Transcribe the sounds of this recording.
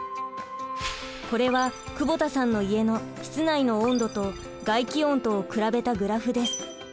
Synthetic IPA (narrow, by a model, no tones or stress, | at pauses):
ko̞ɾe̞βakɯ̟bo̞t̪asãnːo̞ie̞no̞çi̥t͡sɨnaino̞õnd̪o̞t̪o̞ | ɡaikʲiõ̞nt̪o̞ːkɯ̟ɾabe̞t̪aɡɯ̟ɾaɸɯ̟d̪e̞sɨ̥